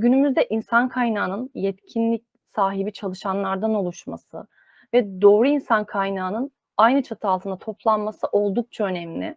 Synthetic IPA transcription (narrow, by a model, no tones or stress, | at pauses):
ɟynymyzd̪ɛʔinsankʰajnaːnɯnjɛt̪cʰinlʲic̚ | saːɦibit͡ʃʰalˠɯʃanlˠaɾd̪ano̞lˠuʃma̰sɯ̰ | vɛd̪o̞ːɾuinsankʰajnaːnɯn | ajnɯt͡ʃʰat̪ʰɯalˠt̪ʰɯnd̪at̪ʰo̞plˠanmasɯʔo̞lˠd̪uk̚t͡ʃʰaø̞nɛmlʲɪ̰